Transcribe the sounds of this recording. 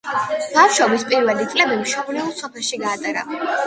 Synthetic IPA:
b̥afʃɔbispʼiɾvɛlit̪sʼlɛbimʃɔblɛɔsɔpʰɛlˠʃiɡaːt̪ʼɛɾa̰

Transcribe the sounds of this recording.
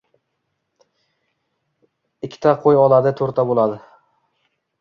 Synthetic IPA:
ɪkʲʰːɪ̥t̪ʰaqʰojɒlˠad̪ɪt̪ʰɵɾt̪ʰabolˠad̪ɪ

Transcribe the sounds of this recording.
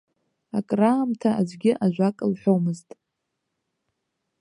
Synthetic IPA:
akʼraːmtʰaazʷɡʲɪʔaʒᶣʷakʼɨlħʷᶣomɨztʼ

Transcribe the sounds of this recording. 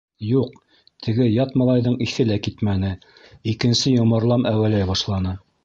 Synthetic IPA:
juq̚ | t̪ʰɘ̆ɡɘjɑt̪mɑlˠɑjðɤɴiθɘlækit̪mænɘ | ikɘ̆nsɘjŏmɑɾlˠɑmʔæwælæjbɑʃlˠɑnɤ

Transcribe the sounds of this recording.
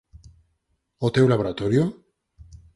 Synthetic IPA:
ot̪ewlaβoɾat̪oɾjo

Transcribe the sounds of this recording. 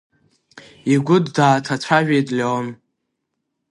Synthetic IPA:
iɡʷʊddaːtʰat͡sʷʰaʒᶣejtʼlʲeon

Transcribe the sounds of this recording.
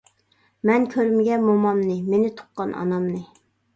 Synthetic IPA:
mɛnkʲʰøɾmɪɡʲɛmomɑmnɨmenɪt̪ʰʊ̥qːɑnʔɑ̰nɑmnɨ

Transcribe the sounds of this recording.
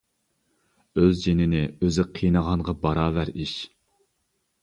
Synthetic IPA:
øzd͡ʒenɪnɪøzɪqʰijnəʁɑɴʁɑbɑɾɑːvæɾiʃ

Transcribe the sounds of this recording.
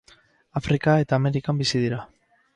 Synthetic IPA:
afɾikae̞t̪aːme̞ɾikambisiðiɾa

